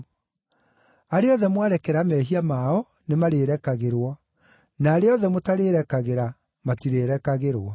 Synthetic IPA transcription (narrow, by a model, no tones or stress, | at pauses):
aɾeɔðɛmwaɾɛkɛɾamɛɦiamaɔ | nemaɾeːɾɛkaɣeɾwɔ | naːɾeɔðɛmotaɾeːɾɛkaɣeɾa | matiɾeɾɛkaɣeɾwɔ